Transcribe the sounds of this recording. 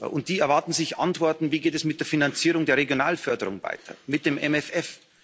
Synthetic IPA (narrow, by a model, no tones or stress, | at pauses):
ʔʊnt̚d̥iːɛɐvaɐtn̩zɪçʔa̰ntv̥ɔɐtn̩viːɡeːtɛsmɪt̚d̥eːɐfinant͡siːʁ̞ʊŋdeːɐʁeɡjonaːlfœɐdəʁʊŋva̰ɪtʰɐ̰mɪt̚d̥eːmʔɛmɛfɛf